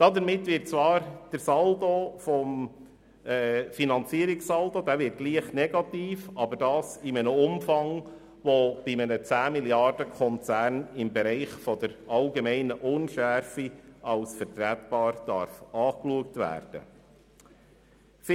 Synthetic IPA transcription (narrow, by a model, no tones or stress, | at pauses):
d̥ɑdəɾmɪtʋɪrt̚t͡sʋɑːɾd̥əɾsɑldofɔm | ɛːfinɑnt͡siəɾɪksɑldod̥̪æːʋɪɾt̚ɡ̥liəχtnɛɡɑt̪iːfɑbəɾdɑːsɪmənəʊmfɑŋ | ʋɔb̥ɪmənət͡sæːmiljɑrd̥əkʰɔnt͡sæːɾnɪmbɛɾɛɪχfɔdəɾɑlɡemɛɪnəʔʊnʃæɾfiɑlsfəɾtɾætb̥ɑːɾd̥ɑɾfɑːkluək̚tʋæ̰ːɾd̥ə̰ | f